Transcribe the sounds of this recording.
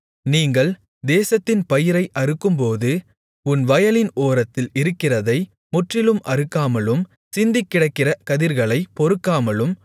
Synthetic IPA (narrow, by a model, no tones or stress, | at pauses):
niːŋɡɐɭ | d̪eːsɐt̪ːɪnpɐjɪɾɐɪʔɐɾɯkːɯmpoːðɯ | ʊnʋɐjɐlɪnoːɾɐt̪ːɪlɪɾɯkːɪrɐðɐɪ | mʊʈrɪlɯmʔɐɾɯkːaːmɐlɯm | sɪnd̪ɪkːɪɽɐkːɪrɐkɐðɪɾɣɐɭɐɪpɔɾɯkːaːmɐlɯm